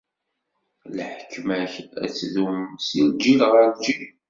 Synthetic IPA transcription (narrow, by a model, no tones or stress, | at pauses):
lħəkʰːmæçæ̰t͡sːðumsild͡ʒilʁəɾd͡ʒi